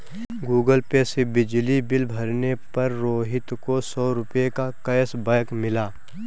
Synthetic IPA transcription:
ɡuːɡəlpesebɪd͡ʒlibɪlbʱɐɾnepɐɾːoːɦɪt̪kosɔːɾʊpjekakɐjsbɐːkmɪlaː

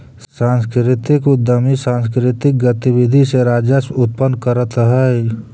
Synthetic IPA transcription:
sãːnskɾɪt̪ɪkʊd̪əmisãːnskɾɪt̪ɪk̚ɡət̪iwɪd̪ʱiseɾaːd͡ʒəsʊt̪̚pənkəɾət̪ɦɛː

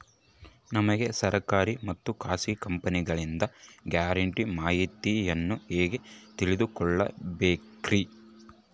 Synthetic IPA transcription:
nɐmɐɡe̞sɐɾɐkaːɾimɐt̪ːukaːsikɐmpɐniɡɐɭind̪ɐɡjaːɾɐɳʈimaːɦit̪ijɐnːueːɡe̞t̪iɭid̪ukɔɭːɐ̰beːkɾi

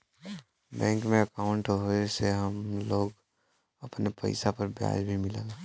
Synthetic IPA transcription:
bɛ̃ːŋkmẽɐkaːʊ̃ɳʈɦoeseɦɐmloːɡ | ɐpnepə̰ɪsapɐɾbja̰ːd͡ʒbʱimɪla̰ːlaː

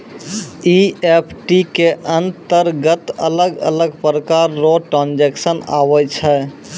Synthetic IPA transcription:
iepʰʈikeʔənt̪əɾɡət̪ə̰ləɡə̰ləɡpɾəkaɾːoʈə̃nd͡ʒeksəna̰ːʋət͡ʃʰɛ

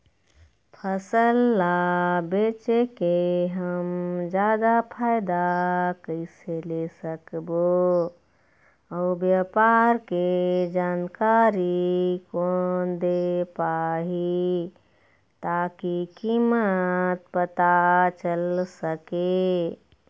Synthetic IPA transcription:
pʰəsəlːabet͡ʃekeɦəmd͡ʒad̪apʰaɪd̪akəɪselesəkbo | əubjapaɾked͡ʒankaɾikond̪epaɦi | t̪akikimət̪̚pət̪at͡ʃəlsəke

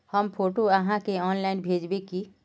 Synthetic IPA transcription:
həmpʰoʈoəɦãkeɔːnlainbʱeːd͡ʒbeki

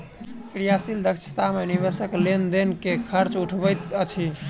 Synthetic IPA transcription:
pɾijasild̪əkt͡ʃʰt̪amenibesəklend̪enkekʰəɾt͡ʃuʈʰbəjt̪ət͡ʃʰi

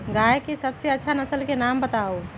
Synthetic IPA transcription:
ɡajekesəbseətːʃʰanəsəlkenambət̪ao

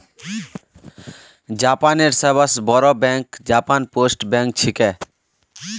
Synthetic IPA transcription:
d͡ʑapaneɾsebasbɔɾobɛŋkd͡ʑapanposʈbɛŋk̚t͡ɕʰike

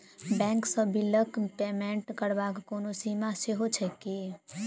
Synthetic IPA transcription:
bɛ̃ːŋksəbiləkpeːmẽɳʈkəɾbaːkkoːnosimaseɦot͡ʃʰɛke

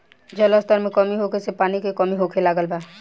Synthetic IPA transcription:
d͡ʒələst̪əɾmẽkəmiɦokʰesepaːnikekəmiɦokʰelaːɡəlbaː

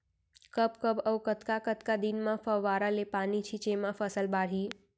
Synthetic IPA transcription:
kəpkəpəwkət̪kakət̪kad̪inmãfəʋaɾalepanit͡ʃʰit͡ʃemãfəsəlbaɽ̤i

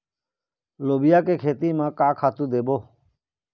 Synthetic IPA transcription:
loːbɪjaːkeːkʰeːt̪iːmãːkaːkʰaːt̪ũːd̪eːboː

